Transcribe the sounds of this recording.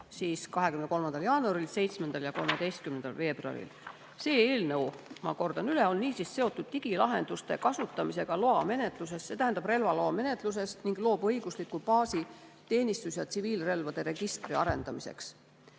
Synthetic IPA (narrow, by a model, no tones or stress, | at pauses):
siːskɑɦe̞kymnko̞lmɑnd̪̥ɑljɑːnuɑɾilse̞jt̪sme̞nd̪̥ɑljɑko̞lmed̪e̞jst̪̚kymnend̪ɑ̰lfe̞ːb̥ruɑ̰ɾḭl | se̞ːe̞ːlnewmɑ̰ko̞rd̪̥ɑnyleo̞nːiːsisse̞o̞t̪ːˑud̪̥t̪iɡ̥ilɑɦe̞̰nd̪ust̪e̞kɑsut̪ːˑɑmiseɡ̥ɑlo̞ɑme̞ne̞t̪ˑluse̞sːe̞t̪æhænd̪̥ɑb̥re̞lvɑlo̞ːme̞ne̞t̪ˑluse̞sniŋɡ̥lo̞ːbɤ̞jɡ̥uslikːupɑːsit̪e̞ːnʲist̪usjɑt̪siviːlre̞lvɑd̪̥e̞ɾe̞ɡ̥ist̪riɑɾe̞̰nd̪̥ɑmise̞̰ks